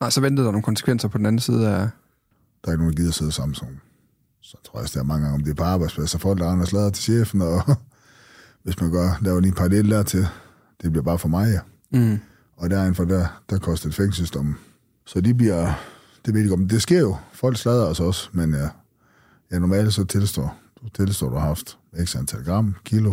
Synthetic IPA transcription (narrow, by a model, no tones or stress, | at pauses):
nɑ̈ɪsɒʋend̥ð̩ˠdɑ̈noːnŋkʰɒnsə̥kʰʋen̰sɐpʰɒ̽d̥n̩æn̩siːð̞ˠææ | d̥ɑ̈ɐɪ̥ɡno̝ːndɡiːðˠɐse̝ð̞ˠɐsɑ̈m̰n̩sɒn | sɒt͡sʰʁo̰ɐ̰sd̥eæɐmɑ̈ŋəɡ̥ɑ̈ŋɒ̽md̥e̝ɐpʰɒɑ̈ːb̥ɑ̈ɪspʰlæsɒfɒ̽l̰ɡ̥ɑʁɑ̈ɪnɐslɛð̞ˠɐt͡sʰe̝̥ɕḛːfn̩ɒ̽ | ʋe̝smænɡ̥ɶɐ̰lɛːʊɐliːnpʰɑ̈ʁleːləd̥æɐ̰t͡sʰe̝l | d̥e̝b̥liɐ̥ɑ̈ːfɒmɑ̈ɪæ | ɒ̽d̥æɐe̝nfɒdæd̥ækʰɒ̽sd̥ɐd̥feŋsəsd̥ɒm | sɒ̽d̥ibliɐ̰ | d̥eʋe̝ðd̥e̝ɡ̥ɒ̽md̥e̝sɡ̥e̝ɐ̰jo̝fɒ̽l̰ɡ̥slɛð̞ˠɐɒ̽sɒ̽smen | jænɒmɛ̰ːld̥sɒ̽t͡sʰe̝lsd̥ɒ̰ːd̥ut͡sʰe̝lsd̥ɔ̰ːduhɑ̈fd̥ | eɡ̥sænt͡sʰælɡ̥ʁɑ̈m̰kʰilo̝